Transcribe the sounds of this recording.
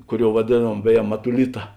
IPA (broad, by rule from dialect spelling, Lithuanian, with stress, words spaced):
ˈkʊˌrʲoːʊ ʋɐˈdʲeːˌnuɔm ˈbʲæːˌjɛ mɐtʊˈlʲɪtɐ